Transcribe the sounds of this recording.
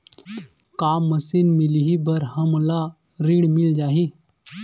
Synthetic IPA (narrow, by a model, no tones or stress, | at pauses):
kaːmːəsinmiliɦibəɾɦəmla | ɾiːɽmɪld͡ʒaːɦi